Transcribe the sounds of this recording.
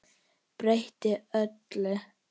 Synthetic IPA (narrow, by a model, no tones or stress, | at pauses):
pɾejht̪ɪœt̪lɪ